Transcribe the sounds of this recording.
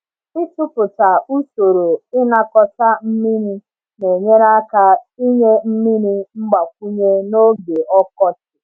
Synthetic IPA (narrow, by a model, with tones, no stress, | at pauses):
ɪ˦tʊ˦pʊ˨ta˨u˦so˨ɾo˨ɪ˦na˦kɔ˦ta˦m̩˦mi˦ɾi˦ | ne˨ɲe˦ɾa˦ka˦i˦ɲe˦m̩˦mi˦ni˦ŋ͡m̩˦ɡ͡ba˨kʷu˦ɲe˦no˦ɡe˨ɔ˦kɔ˦t͡ʃɪ˨